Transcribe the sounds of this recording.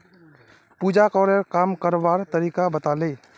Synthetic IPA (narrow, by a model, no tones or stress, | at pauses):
puːd͡ʒakɔːɾeɾkaːmkəɾʋaːɾt̪əɾiːkabət̪aːleː